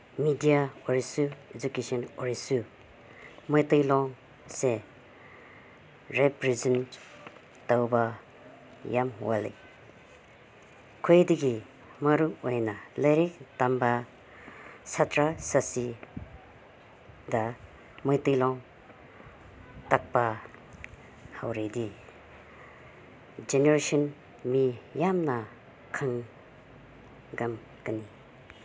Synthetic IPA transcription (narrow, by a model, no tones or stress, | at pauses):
midijaɔɾisued͡ʒukesɔnɔɹisu | mɔjt̪ɯjlɔŋ | se | ɾepɾizən | tawba | jamɦwalḭ | kʰojd̪iɡi | maɾuɔjnaleɾik̚t̪amba | satʰɾasasi | da | mɯjtijlɔŋ | tak̚pa | hawɾedi | d͡ʒeneɾesɔn | mijamna | kʰaŋ | ɡam | kəni